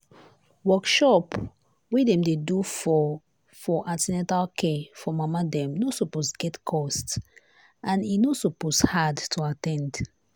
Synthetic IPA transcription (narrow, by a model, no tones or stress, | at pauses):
wɔkʃɔp | widɛ̃mdedufɔ | fɔʔatɛnɛ̃talkʰɛfɔmamadɛ̃mnosuposɡɛtkʰɔst | ãninosoposhadtʰuatɛ̃nd